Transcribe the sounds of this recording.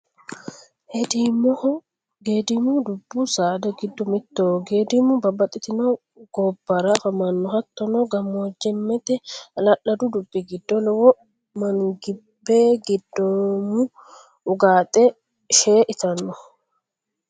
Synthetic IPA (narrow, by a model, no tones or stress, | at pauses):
hɛd̪imɔ | ɡeːd̪ɪmud̪ʊbːusaːd̪ɐɡɪd̪ːɔmɪt̪ːoːɡeːd̪ɪmʊbɐbːɐt̪ʼɪt̪ɪnɔ | ɡ̥ɔbːɐɾafɐmɐnːɔhɐt̪ːɔnɔɡɐmːoːd͡ʒːɛmːɛt̪ɛɐlɐʔɐd̪ud̪ʊbːiɡɪd̪ːɔlɔwɔ | mɐŋɡɪbːeːɡɪd̪ːomʊ | ʊɡaːt̪ʼɛ | ʃeːʔɪt̪ɐnːɔ